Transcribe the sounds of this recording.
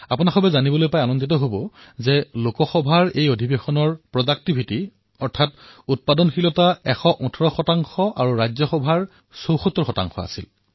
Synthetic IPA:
apunaxɔbɛzanibɔlojpajanɔnditɔɦobɔzɛlokɔxɔbʱaɹejodʱibexɔnɔɹpɹɔzak̚tibʱiti | ɔɹtʰatut̚padɔnxilɔtaɛxɔʔutʰɔɹɔxɔtaŋxɔʔaɹuɹajzɔxɔbʱaɹ | sowxɔt̪ːɔɹxɔta̰ŋxɔ̰a̰sḭl

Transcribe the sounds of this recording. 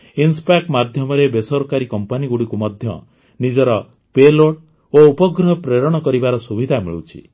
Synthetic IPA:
inspakmad̪ʱjɔmɔɾebesɔɾkaɾikɔmpaniɡuɽikumɔd̪ʱjɔ̰ | nid͡ʒɔɾɔ | peloʈ | oupɔɡɾɔɦɔpɾeɾɔɽ̃ɔkɔɾibaɾɔsubid̪ʱamḭɭṵt͡ʃʰḭ

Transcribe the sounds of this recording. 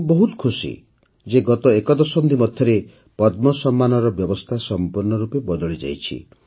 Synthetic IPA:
bɔɦut̪kʰusḭ | d͡ʒeɡɔt̪ɔekɔd̪ɔsɔnd̪ʱimɔd̪ʱjɔɾe | pɔd̪mɔsɔmːanɔɾɔbjɔbɔst̪ʰasɔmpuɾnɔɾupebɔd̪ɔɭid͡ʒa̰jt͡ʃʰḭ

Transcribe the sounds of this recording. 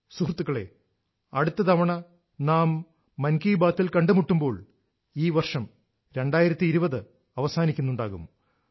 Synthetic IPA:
surt̪ːuɣɐɭe̞̰ | ɐɽut̪ːɐd̪ɐʋɐɳɐ | naːmː | ɐnkiːbaːt̪ːilkɐɳɖɨmuʈːumbo̞ːɭ | iːʋɐrʂɐm | ɾe̞ɳɖaːjiɾɐt̪ːiːɾubɐðɨ | ɐʋɐsaːnikʲːunːuɳɖaːɣṵm

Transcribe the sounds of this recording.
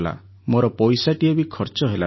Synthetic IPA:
la̰ | moɾɔpɔjsaʈiebikʰɔɾt͡ʃɔɦela

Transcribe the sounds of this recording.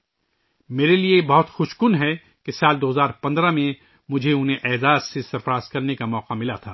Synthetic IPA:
meːɾeliebɐɦʊt̪xʊʃkʊnɦɛ | kesaːld̪oːɦɐzaːɾpɐ̃nd̪ɾãmẽ | mʊd͡ʒʱeʊnɦẽʔɛːzaːzsesɐɾfɾaːzkɐɾnekamɔːqamɪlat̪ʰa̰ː

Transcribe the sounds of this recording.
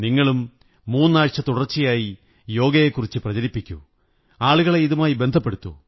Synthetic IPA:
niŋːɐɭumː | uːnːaːɻt͡ɕːɐt̪uɽɐrt͡ɕːijaːji | jo̞ːɡɐjekːurit͡ɕːɨprɐd͡ʑɐlipːikʲːṵ | aːɭuɣɐɭe̞iðumaːjibe̞nd̪ʱɐpːeɽut̪ːṵ

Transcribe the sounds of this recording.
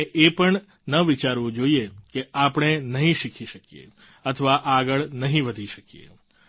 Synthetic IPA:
eʔepəɳ | nəʋit͡ʃaɾʋũd͡ʒoiekeapəɳ̃enəɦĩʃikʰiʃəkijḛ | ət̪ʰəʋaʔaːɡəɭnəɦĩʋəd̪ʱiʃəkijḛ

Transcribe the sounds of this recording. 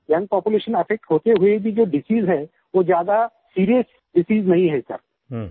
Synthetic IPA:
jɐ̃ŋɡ̚pɔːpuleːʃə̃nɐfʰɛk̚ʈɦoːt̪eɦʊebʱid͡ʒoːɖɪsiːzɦɛ | ʋozjaːd̪a | siːɾijəs | ɖɪsiːznɐɦĩɦɛsɐ̰ɾ

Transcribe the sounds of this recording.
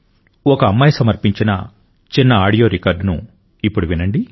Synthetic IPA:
ɔkɐːmːɐjɐsɐmɐɾpiɲt͡ʃinɐ | t͡ʃinːɐaːɽijo̞ːɾikɐːɾɖnṵ | ipːuɽuʋinɐɳɖi

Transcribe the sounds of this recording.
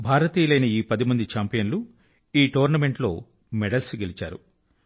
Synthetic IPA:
bʱaːɾɐt̪iːjɐlɐjnɐiːpɐd̪imɐnd̪it͡ʃaːmpijɐnlu | iːʈoːɾnɐme̞ɳʈlo̞̰ː | mɛɽɐlsiɡe̞lit͡ʃa̰ːɾṵ

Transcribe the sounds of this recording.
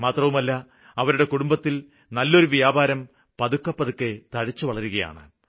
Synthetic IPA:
maːt̪rɐʋumɐlːɐ | ɐʋɐɾuɽe̞kuɽumbɐt̪ːil | nɐlːo̞ɾuʋijaːbʱaːɾɐm | pɐðukːɐpːɐðukːe̞t̪ɐɻit͡ɕːuʋɐɭɐɾuɣɐja̰ːɳɨ̰

